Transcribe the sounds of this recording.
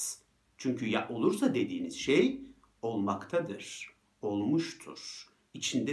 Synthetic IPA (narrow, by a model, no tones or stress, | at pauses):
t͡ʃʰyɲcʰyja̰ʔo̞lˠuɾsad̪e̞d̪iːniz̥ʃej | o̞lˠmakt̪ʰad̪ɯɾ̥ | o̞lˠmuʃt̪ʰṵɾ̥ | it͡ʃʰind̪ɛ